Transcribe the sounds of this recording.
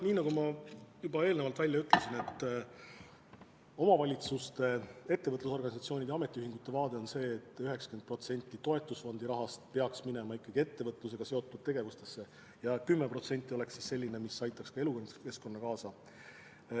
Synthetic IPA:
niːnɑɡumɑjubɑe̞ːlnevɑlt̪vælʲːjɑyt̪ːˑle̞sine̞t̪ː | o̞mɑvɑlʲit̪sust̪e̞e̞t̪ːe̞vɤt̪luso̞rɡɑnʲisɑt̪sio̞ːnʲid̪̥eɑme̞t̪ːˑiyhiŋɡ̥ut̪ːe̞vɑːd̪̥e̞o̞nse̞ːt̪ːˑyɦe̞ksɑ̥kend̪̚pro̞t̪se̞nʲt̪ʲːˑit̪o̞e̞t̪ːˑusfo̞nd̪̥iɾɑɦɑst̪pe̞ɑksmine̞mɑikːˑɑɡ̥ie̞t̪ːe̞vɤt̪ˑlus̬e̞ɡ̥ɑse̞o̞t̪ːˑud̪̥̚t̪e̞ɡe̞vust̪e̞sːe̞ | jɑkymːepro̞t̪se̞nʲt̪ʲˑːio̞le̞ksːisse̞lʲːine̞misɑjt̪ːˑɑkskɑe̞lukke̞sko̞nːɑkɑːsɑ

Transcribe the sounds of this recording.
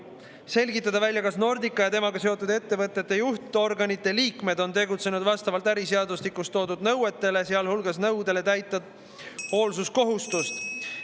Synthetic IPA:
se̞lɡit̪ːˑɑd̪ɑvælʲjɑkɑsno̞rd̪ikːˑɑjɑt̪e̞mɑɡɑse̞o̞t̪ːˑud̪e̞t̪ːe̞vɤt̪ːˑe̞t̪ːe̞juht̪o̞rɡɑnit̪ːˑe̞liːkme̞d̪̥o̞nt̪e̞ɡut̪se̞nud̪vɑst̪ɑvɑlt̪æɾiseɑd̪uslikːˑust̪ːo̞ːd̪ud̪̥nɤwe̞t̪ːe̞le̞seɑlhulɡ̥ɑsnɤwd̪e̞le̞t̪æjt̪ːˑɑd̪̥ | o̞ːlsusko̞ɦust̪ust̪

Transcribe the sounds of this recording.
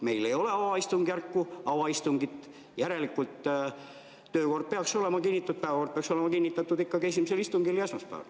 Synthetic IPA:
me̞ijlejo̞leɑwɑist̪uŋɡ̥ærkːuɑwɑist̪uŋɡ̥it̪ | jæɾe̞likːult̪ | øːko̞rd̪̚peɑkso̞le̞mɑkinːit̪ːˑut̪̚pæːvæko̞rd̪̚peɑkso̞lemɑkinʲːit̪ːˑɑt̪ːˑud̪ikːɑkesimiselist̪uŋɡ̥ilːiɑsmɑspæ̰ːʋɑ̰l

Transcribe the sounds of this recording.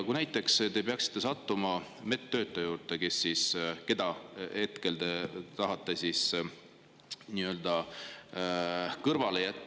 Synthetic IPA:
kunæjt̪ːˑe̞kst̪e̞peɑksi̥t̪ˑːe̞sɑt̪ːumɑme̞t̪ːø̞ːt̪ːˑejuːrt̪ˑe̞ke̞sːiːske̞d̪̥ɑhe̞t̪ke̞ld̪et̪ɑɦɑt̪ːˑesiːs | niø̞ld̪̥ɑ | kɤrvɑlejæt̪ˑː

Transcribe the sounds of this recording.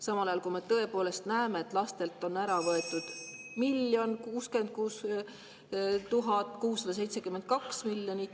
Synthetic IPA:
sɑmɑlɑjɑlkume̞t̪ɤe̞po̞ːle̞st̪næeme̞ːt̪ːˑlɑst̪e̞lt̪ˑːo̞nːæɾɑvɤe̞t̪ːˑud̪̥ | milːjo̞nkuːske̞nd̪̥̚kuːs | t̪uɦɑt̪ːˑkuːsːɑd̪ɑse̞jt̪sekymːe̞nt̪̚kɑksmilʲːjoni

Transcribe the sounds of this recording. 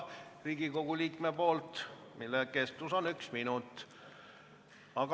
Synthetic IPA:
riːɡ̥iko̞ɡ̥ulʲiːkme̞po̞ːlt̪milːeke̞st̪uso̞nyksminut̪ːˑ | ɑɡ

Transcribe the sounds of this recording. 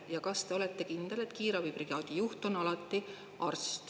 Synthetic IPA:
jɑkɑst̪e̞o̞let̪ːˑe̞kind̪̥e̞le̞t̪kiːɾɑvijpriɑːd̪̥ijuht̪o̞nɑlɑt̪ːi | ɑrst̪

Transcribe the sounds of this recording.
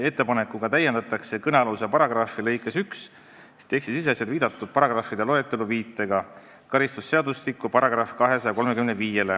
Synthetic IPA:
e̞t̪ːe̞pɑnekːuɡ̥ɑt̪æjend̪ɑt̪ːˑɑkse̞kɤneɑlusepɑɾɑɡ̥rɑfˑile̞jkːˑe̞syks | t̪ːe̞ːksisis̬eɑsjɑd̪viːd̪ɑt̪ːˑud̪̥̚pɑɾɑɡ̥rɑfid̪elo̞et̪ːˑeluviːt̪ːˑe̞ɡɑ | kɑɾist̪usːe̞ɑd̪ust̪ikːˑupɑɾɑɡ̥rɑfkɑɦe̞sɑjɑko̞lme̞kymneviːje̞le̞

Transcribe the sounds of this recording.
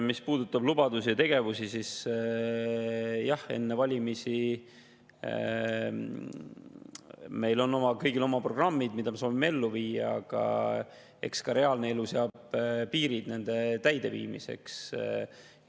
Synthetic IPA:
mispuːd̪̥ut̪ːˑɑblub̥ɑd̪usiɑt̪e̞ɡ̥e̞vusisis | jɑhe̞̰nːevɑlʲimisi | me̞jlo̞nːo̞mɑkɤjɡilo̞mɑpro̞ɡ̥rɑmːid̪mid̪̥ɑme̞so̞ːvimːee̞lːuviːɑɑ̰ɡ̥ɑ̰ | e̞̰kskɑɾe̞ɑːlneeluseɑːb̥piːɾid̪̥ne̞nd̪̥e̞t̪æjd̪e̞vḭːmḭse̞̰ks

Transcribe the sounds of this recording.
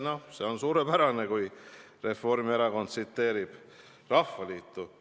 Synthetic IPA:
nose̞o̞nsuːɾepæɾɑnekuj | re̞fo̞rmieɾɑko̞nt̪sit̪ːe̞ːɾib̥ | rɑfːɑliːt̪ːˑu

